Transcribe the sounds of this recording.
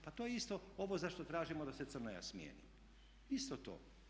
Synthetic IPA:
pat̪ojeist̪o̞oʋozaʃt̪ot̪ɾaːʒimod̪ase̞t̪sɨrnoja̰smjḛːnḭ | ist̪ot̪o̰ː

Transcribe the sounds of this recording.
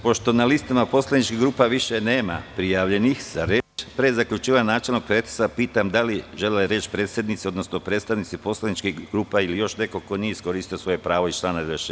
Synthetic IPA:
po̞ʃt̪o̞nalist̪amapo̞slad̪nit͡ʃkiɡɾuːpaʋiʃene̞ːma̰pɾijaʋʎe̞nixz̥aɾeːt͡ʃpɾezakʎut͡ʃiːʋaɲnaːt͡ʃelnoɡ̚pɾet̪i̥sapiːt̪amd̪aliʒelleɾe̞ːt͡ʃpɾeːt̪sʲje̞d̪nit̪sio̞d̪nosno̞pɾeːt̪st̪aʋnit̪sipo̞slad̪nit͡ʃkiɡɾuːpailijo̞ʃne̞ko̞ko̞nijeiskoɾiːst̪iosʋo̞je̞pɾaːʋoit͡ʃlˠaːnad̪eʃ

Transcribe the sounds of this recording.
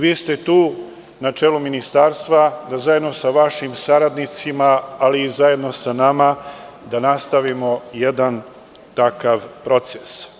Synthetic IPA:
ʋiːst̪e̞t̪uː | nat͡ʃeːluminist̪aːɾst̪ʋad̪azajed̪no̞saʋaʃimsaɾad̪nit̪simaːliːzaje̞d̪no̞sanama | d̪anast̪aʋimo̞jed̪an | t̪akaʋpɾo̞t̪ses

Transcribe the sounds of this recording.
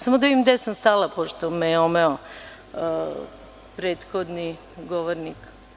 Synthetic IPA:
samod̪aʋimd̪esamst̪alˠapoʃt̪omejeomeo | pɾeːt̪xod̪ni | ɡoʋoɾnik

